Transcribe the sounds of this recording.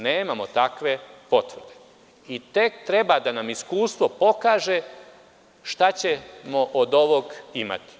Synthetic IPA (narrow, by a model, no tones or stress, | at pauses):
neːmamot̪akʋe̞po̞t̪ʋr̩d̪e | it̪e̞kt̪ɾe̞bad̪anamiskuːst̪ʋo̞po̞kaːʒe̞ | ʃt̪at͡ɕe̞moʔod̪o̞ʋoɡima̰t̪i̥